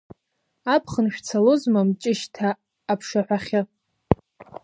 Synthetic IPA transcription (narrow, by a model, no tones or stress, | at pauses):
apʰχənʃᶣt͡sʰalozmamt͡ʃʼɪʃtʰaː | pʰʂaħᶣʷaχʲɪ